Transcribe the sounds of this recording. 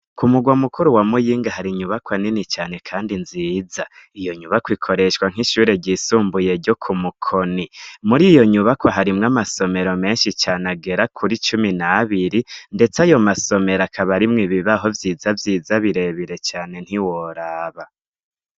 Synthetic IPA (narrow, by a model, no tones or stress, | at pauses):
kumuɡwamukuɾuwamujiːŋɡaɦaɾiɲuβakwaninit͡ʃaːne̞kʰaːndinziːzaijo̞ɲuβakwikʰo̞ɾe̞ʃwaŋ̥iʃuːɾe̞ɟisuːmbuje̞ɾɟo̞kʰumukʰonimuɾijoɲuβakwaɦaɾimŋamaso̞me̞ɾo̞me̞ːnʃit͡ʃaːnaɡe̞ɾakʰuɾit͡ʃuminaβiɾinde̞t͡sajo̞maso̞me̞ɾakʰaβaɾimŋiβiβaɦo̞vjiːzavjiːzaβiɾe̞βiɾe̞t͡ʃaːne̞n̥hiwoɾaːβa